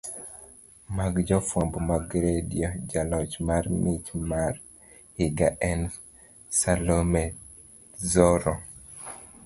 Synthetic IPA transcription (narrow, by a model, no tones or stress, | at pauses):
maɡd͡ʒɔfwɔmbɔmaɡɾedijɔd͡ʒalɔt͡ʃmarmɪt͡ʃmar | hiɡaʔɛn | salomɛ | zɔɾɔ